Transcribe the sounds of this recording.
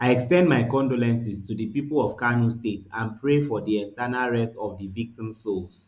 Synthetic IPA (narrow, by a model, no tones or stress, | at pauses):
ajɛkstɛ̃ndmaɪkɔ̃ndolɛ̃nsistudipipəlɔv̥kanustetãnpʰɹefɔdiɛ̃ntanalɹɛstɔvdivik̚tĩmsols